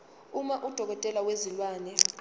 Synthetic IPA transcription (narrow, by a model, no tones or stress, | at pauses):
umaʔud̥ʱɔk̬ɔtʼɛlawezilwaːnɛ